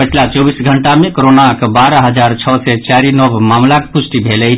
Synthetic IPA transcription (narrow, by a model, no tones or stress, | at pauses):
əʈʰlat͡ʃɔbisɡʱəɳʈamẽkoɾonakbaɾəɦəd͡ʒaɾt͡ʃʰɔsɛt͡ʃaɾinɔbmamlakpusʈibʱelɛ